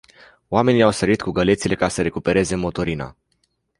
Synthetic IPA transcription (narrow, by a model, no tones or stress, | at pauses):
oame̞niawsəɾit̪kuɡəle̞t̪sile̞kasəɾe̞kupe̞ɾe̞ze̞mo̞t̪o̞ɾina̰